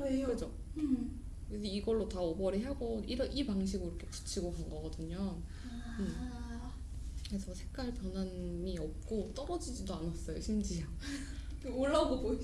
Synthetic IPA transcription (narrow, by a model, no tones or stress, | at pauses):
ekɯd͡ʑo | kɯsʰeiɡʌɭːotaʌbʌɾiɦaɡoiɾʌʔipaŋɕ̬ʰiɡɯiɾʌkʰe̞ku̥t͡ɕʰiɡokanɡʌɡʌdɯɲʌn | ɯm | kɾesʰʌsʰe̞kk͈aɭpjʌnanmiʌp̚k͈ot͈ʌɾʌd͡ʑid͡ʑidoanas͈ʌjoɕʰimd͡ʑiɦaŋ | kɯoɭːaɡoboi